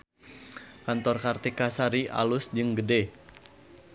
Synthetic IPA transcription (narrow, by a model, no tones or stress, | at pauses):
kant̪ɔrkart̪ikasaɾiʔa̰lʊsd͡ʒɨŋɡəde